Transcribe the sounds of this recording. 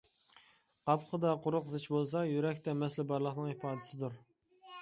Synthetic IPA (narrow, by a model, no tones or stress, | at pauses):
qɑpqχʰəd̪ɑqʊɾʊqzɨt͡ʃbolˠsɑjyɾɛkʲt̪ʰɛmɛslɪbɑɾlˠəχnɨŋhipɑːd̪ɪsɪd̪uɾ